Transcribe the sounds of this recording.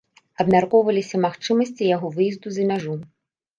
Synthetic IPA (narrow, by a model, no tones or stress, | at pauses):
ɐbmʲɐrkɔʊʋɐlʲˠɪsʲɐmɐxt͡ʃɪmɔsʲtʲijɐɦɔʋɪjizd̪ʊzɐmʲɐʒum